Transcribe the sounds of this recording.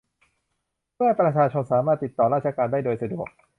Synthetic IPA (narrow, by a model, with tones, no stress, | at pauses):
mɯ˥˩əpɾa˧t͡ɕʰaː˧t͡ɕʰo˧nsaː˩˦maː˥˩t̪ːi˨˩t̪ːɔː˨˩ɾaː˥˩t̪̚t͡ɕa˧kaː˧ndaː˥˩jdoː˧jsa˧du˨˩ək̚